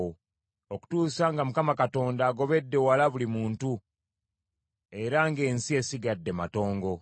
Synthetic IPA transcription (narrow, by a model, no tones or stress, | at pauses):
o | oku̥tuːsaŋɡamukamakato̞ːndaːɡo̞βe̞dːe̞walaβulimuːntu | e̞ɾaŋɡe̞ːnsie̞siɡadːe̞mato̞ːŋɡo̞